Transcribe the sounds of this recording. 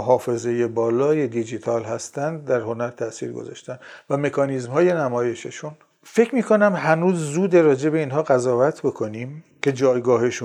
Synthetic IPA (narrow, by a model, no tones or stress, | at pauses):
oɦɒːfe̞ze̞je̞bɒːlɒːje̞d̪id͡ʒit̪ʰɒːlɦæst̪ænd̪d̪æɾho̞næɾt̪ʰæʔsḭːɾɡo̰zɒ̰ːʃt̪ænvæme̞kʰɒːniːzmhɒːje̞næmɒːje̞ʃeʃun | fe̞cʰmiːkʰo̞næmɦænuːzːuːd̪eɾɒːd͡ʒe̞be̞iːnɦɒːɣæzɒːvæt̪ʰbo̞kʰo̞niːm | kʰe̞d͡ʒɒːjɡɒːheʃun